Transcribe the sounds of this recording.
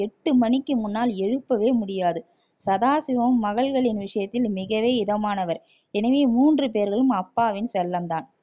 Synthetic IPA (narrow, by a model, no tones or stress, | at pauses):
ɛʈːɯmɐnɪkːɯmʊnːaːlɛɻɯpːɐʋeːmʊɽɪjaːðɯ | sɐðaːsɪʋɐmːɐɣɐɭɣɐɭɪnʋɪʂɐjɐt̪ːɪlmɪɣɐʋeːɪðɐmaːnɐʋɐɾ | ɛnɐʋeːmuːndrɯpeːɾɣɐɭɯmɐpːaːʋɪnsɛlːɐmd̪aːn